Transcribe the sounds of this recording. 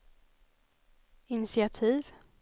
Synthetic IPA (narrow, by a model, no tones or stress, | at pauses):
ɪnɪsɪat̪ʰiːv